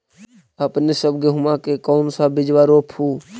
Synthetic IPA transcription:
əpnesəb̚ɡeɦʊmãːkeːkoːnsãːbɪd͡ʒʋaːɾoːpʰuː

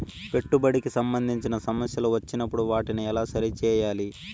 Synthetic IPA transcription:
pe̞ʈːubɐɽikisɐmbɐnd̪ʱiɲt͡ʃinɐsɐmɐsjɐloʋɐt͡ʃːinɐpːuɽuʋaːʈiniɛlaːsɐɾit͡ʃɛːjaːli

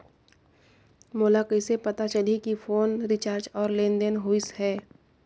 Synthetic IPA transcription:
moːlakəɪsepɐt̪at͡ʃəlikifoːnɾɪt͡ʃaːɾd͡ʒɔːɾlẽːnd̪ənɦoːɪsɦɛː

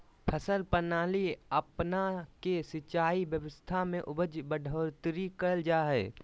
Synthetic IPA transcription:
pʰəsəlpənaːliɐpnakesɪt͡ʃaːibjəʋəst̪ʰamẽʔʊbəd͡ʒbəɖʱoːɾt̪ɾikəld͡ʒaːɦɛː

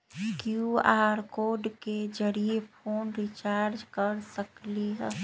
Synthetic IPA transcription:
kjuaːɾkoːɖked͡ʒəɾiepʰoːnɾit͡ʃaːɾd͡ʒkəɾsəkliɦɛː

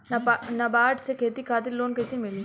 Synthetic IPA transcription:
nɐbaːʈsekʰeːt̪ikʰaːt̪̬ɪlloːnkɐsimɪliː

